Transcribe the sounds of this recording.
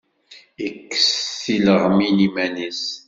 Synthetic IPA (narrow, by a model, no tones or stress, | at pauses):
ikːə̥sθiləʁminimænis